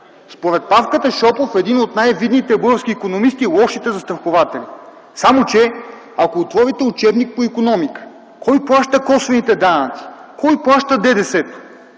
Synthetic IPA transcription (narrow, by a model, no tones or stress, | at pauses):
spoɾɛt̪̚pafkət̪əʃɔpofɛd̪inot̪najvid̪nit̪ɛbɤɡəfsk̟iːkonomist̪ilˠɔʃit̪ɛzɐst̪ɾɐxovat̪ɛli | samot͡ʃɛ | akoːt̪vɔɾit̪ɛʊt͡ʃɛbnik̚poikonɔmikə̥ | kɔjplˠaʃt̪əkɔsvɛnit̪ɛd̪anət̪si̥kɔjplˠaʃt̪əd̪ɛd̪ɛsɛt̪o̥